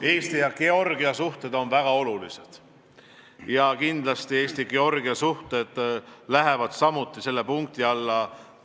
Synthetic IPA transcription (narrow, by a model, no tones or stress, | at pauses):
e̞ːst̪ijɑkeo̞rɡ̥iɑsuht̪e̞d̪̥o̞nvæɡ̥ɑo̞lulised̪̥ | jɑkind̪lɑst̪ie̞ːst̪iɡe̞o̞rɡ̥iɑsuht̪e̞d̪̥læɦevɑd̪̥sɑmut̪ːˑise̞lːepuŋk̚t̪iɑlːɑ